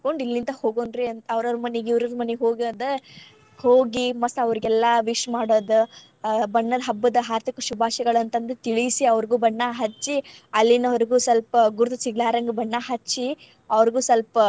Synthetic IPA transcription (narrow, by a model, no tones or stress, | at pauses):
koɳɖilːint̪ɐhoːɡonɾiɐnt̪ɐɐʋɐɾɐɾumɐniɡiʋɾɐɾumɐneɦoːɡɐːd̪e | hoːɡimɐsɐʋɐɾiɡɛlːɐʋiʂmaːɽoːd̪u | bɐɳːɐd̪ɐɦɐbːɐd̪ɐɦaːɾt̪ʰikɐʃubʱaːʃɐɡɐɭɐnt̪ɐnd̪et̪iɭisiɐʋɐɾiɡuːbɐɳːaɦɐt͡ʃːiɐlːinɐʋɐɾiɡuːsɐlpɐɡuɾt̪ɐt͡ʃiɡlaːɾɐŋɡɐbɐɳːaɦɐt͡ʃːi | ɐʋɐɾiɡuːsɐlpɐ